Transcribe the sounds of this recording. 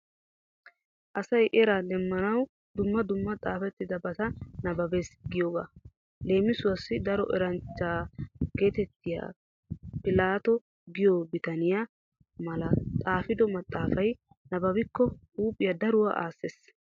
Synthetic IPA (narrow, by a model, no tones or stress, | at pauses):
ʔɐsɐjʔɛɾad̪ɛmːɐnɐw | d̪ʊmːɐd̪ʊmːɐt̪ʼaːfɛt̪ːɪd̪ɐbɐt̪ɐnɐbɐbeːsɡɪjoːɡa̰ | le̞ːmɪsʊwɐsːɪd̪ɐɾɔʔɛɾɐnt͡ʃːaːɡ̥e̞ːt̪ɛt̪ːɪja̰ː | pɪlaːt̪ɔ | ɡɪjoːbɪt̪ɐnɪja | mɐlɐt̪ʼaːfɪd̪ɔmɐt̪ʼːaːfɐj | nɐbɐbɪkːɔ | uːpʼːɪjɐd̪ɐɾʊwa̰ːʔaːsːes